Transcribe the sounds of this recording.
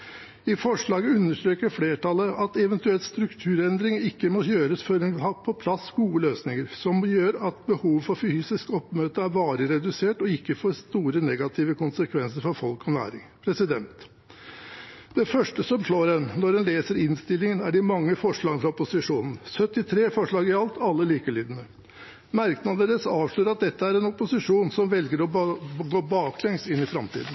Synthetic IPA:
ɪfɔʂɭɑːɡəʉnːəʂʈ̪ɾøːkəɾfleːʈɑləɑt̪ɛʋɛnt̪ʉɛlt̪st̪ɾʉkt̪ʰʉːɾɛnd̪ɾɪŋɪkːəmɔjøːɾəsfɔɾɛnɑpʰɔpʰlɑsɡuːəløːsnɪŋəɾsɔmjøːɾɑt̪bəhuːʋfɔɾfyːsɪskɔpːmøːt̪əæɾbɑːɾəɾɛd̪ʉseːʈɔɪkːəfoːɾst̪uːɾənɛɡɑt̪ʰiːʋəkʊnsəkʰʋɛnsəɾfɔɾfɔlkɔnæ̰ːɾɪ̰ŋpʰɾɛsɪd̪ɛnt̪ | d̪̥ɛfœʂʈəsɔmʂɭoːɾɛnnɔɾɖɛnleːsəɾɪnst̪ɪlːɪŋənæɖɪmɑŋːəfɔʂɭɑːɡənfɾɑɔpʊsɪʂuːnn̩sœt̪ːɪt̪ʰɾeːfɔʂɭɑːɡɪɑlt̪ʰɑlːəliːkəliːd̪ənə | mæɾknɑd̪əɾəsɑːʋʂɭøːɾɑt̪̚d̪ɛt̪ːəæɾɛnɔpʊsɪʂuːnsɔmʋɛlɡəɾɔɡoːbɑːklɛŋsɪnːɪfɾɑmt̪ʰḭːd̪n̩

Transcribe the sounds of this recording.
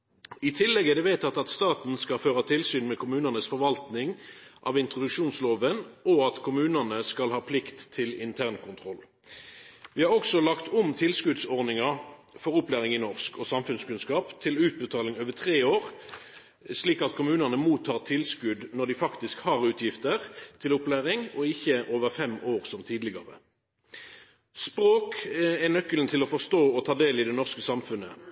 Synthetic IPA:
ɪt̪ʰɪlːɛɡəd̪ɛʋeɪt̪ʰɑt̪ɑt̪st̪ɑːt̪n̩skɑføːʁət̪ʰɪlsyːnmɛkʰʊmʉːnənəsfɔʁʋɑlt̪nɪŋʔɑ̰ːʋɪnt̪ʁʊd̪ʉkʂuːnsloːʋənɔɑt̪kʰʊmʉːnənəskɑlhɑːpʰlɪkt̪ʰːɪlɪ̰nt̪ʰæʁnkʰʊnt̪ʰʁɔl | ʋɪːhɑʁɔksɔlɑkt̪ʊmt̪ʰɪlskʉd̪sɔʁnɪŋɑ | fɔʁʊplæːʁɪŋɪnɔʁskʰɔsɑmfʉnskʉnskɑːpt̪ʰɪlʉːt̪̚bət̪ʰɑːlɪŋoːʋət̪ʰʁeːoːʁ | sliːkɑt̪kʰʊmʉːnənəmuːt̪ʰːɑːʁt̪ʰɪlskʉd̪nɔd̪ɪfɑkt̪ɪskhɑːʁʉːt̪ʰjɪft̪əʁt̪ʰɪlʊplæːʁɪŋɔɪçːəʔoːʋəʁfɛmoːʁsɔmt̪ʰiːd̪lɪɡɑ̰ʁə̰ | spʁoːkɛnœkːəlnt̪ʰɪlɔfɔʁst̪oːɔt̪ʰɑːd̪eːlɪd̪ɛnɔʁskəsɑmfʉnə

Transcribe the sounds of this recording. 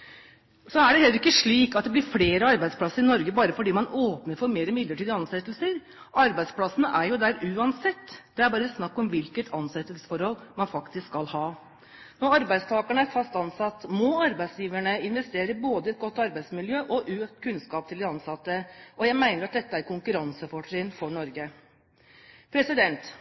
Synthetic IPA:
sɔæɖɛhɛlːəɾɪkːəʂɭiːkɑt̪̚d̪ɛblɪɾfleːɾəɑɾbæɪspʰlɑsːəɾɪnɔɾɡəbɑːɾəfɔɖiːmɑnoːpnəɾfɔɾmeːɾəmɪd̪lːəʈʰiːd̪əɑnsɛt̪ːəlsəɾ | ɑɾbæɪd̪spʰlɑsənəʔæɾjʊd̪æɾʉːɑnsɛt̪ːd̪̥ɛæɾbɑːɾəsnɑkːɔmʋɪlkət̪ʰɑnsɛt̪ːəlsə̥fɔɾhɔlːmɑnfɑkt̪ɪskɑlhɑː | nɔɾɑɾbæɪst̪ʰɑːkəɳəæɾfɑst̪ɑnsɑt̪ːmɔɑɾbæɪsjiːʋæɳəɪnʋɛst̪eːɾəboːd̪əɪɛt̪̚ɡɔt̪ːɑɾbæɪsmɪljøːʔɔʔʉːt̪kʰʉnskɑːp̚t̪ʰɪld̪ɪɑnsɑt̪ːəʔɔjæɪmæɪnəɾɑt̪̚d̪ɛt̪ːəæɾkʰʊŋkʉɾɑnsəfɔʈɾɪnfɔɳɔɾɡə | pʰɾɛsɪd̪ɛnt̪

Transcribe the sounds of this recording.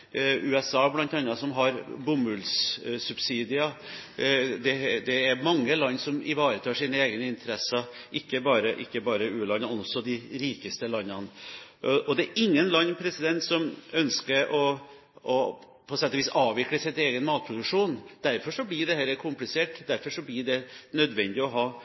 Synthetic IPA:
ʉɛsɑːblɑnt̪ɑnːɑsɔmɦɑɾbʊmʉlssʉbsiːd̪ɪɑ | d̪ɛd̪ɛæɾmɑŋːəlɑnːsɔmɪ̰ʋɑːɾət̪ʰɑːʂiːnəeːɡnəɪnt̪ʰəɾɛsə | ʔɪkːəbɑːɾəʔɪkːəbɑːɾəʉːlɑnːəmɛnɔsːɔd̪ɪɾiːkəst̪əlɑnːɑn | ʔɔd̪ɛːɾʔɪŋːənlɑnːpʰɾɛsɪd̪ɛnt̪sɔmœnskəɾɔ | ɔ | pʰɔsɛt̪ːɔʋiːsɑːʋɪkləsɪt̪eːɡənmɑːt̪̚pʰɾʊd̪ʉkʂuːnd̪̥æɾfɔʂɔblɪɖɛhɛləkʰʊmplɪseːʈd̪æɾfɔʂɔblɪɖɛnœd̪ʋɛnd̪ɪɔɦɑː

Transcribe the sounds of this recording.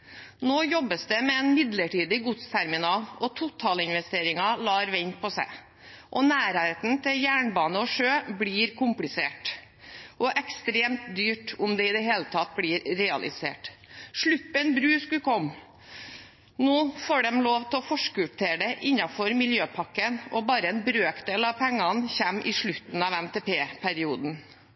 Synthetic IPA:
noːjɔbːəsd̪ɛmɛɛːnmɪd̪ləʈʰiːd̪ɪɡʊt̪st̪ʰæɾmɪnɑːlɔt̪ʰʊt̪ʰːɑːlɪnʋɛst̪eːɾɪŋɑlɑːɾʋɛɲpʰɔsæ̰ɪ | ʔɔnæːɾææɪt̪n̩t̪ʰɪljæːɳbɑːnəɔʂøːbliːɾkʰʊmplɪsḛːʈ | ʔɔʔɛkst̪ɾeːmt̪d̪yːʈʊmd̪ɛɪd̪ɛɦeːlət̪ʰɑt̪̚bliːɾɾɛɑlʔɪ̰sḛːʈʂɭʉpːənbɾʉːskʉkʰɔmː | noːfoːɖɛmloːʋt̪ʰɛɔfɔʂkəʉt̪ʰeːɖɛʔɪnːɑfɔɾmɪljøːpʰɑkːənʔɔbɑːɾəɛnbɾøːkd̪eːlɑʋpʰɛŋːɑnçɛmːʔɪʂɭʉt̪n̩ɑʋɛmt̪ʰɛːpeːpʰæɾɪuːd̪n

